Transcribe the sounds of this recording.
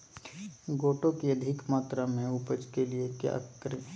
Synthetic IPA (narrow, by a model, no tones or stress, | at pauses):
ɡoːʈõkiɐd̪ʱɪkmaːt̪ɾamẽʊpəd͡ʒkeliekja̰kəɾe